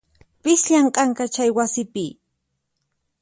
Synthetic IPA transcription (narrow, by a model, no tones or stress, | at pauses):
pɪsʎaɴqʼɑŋkat͡ʃajwasɪpɪ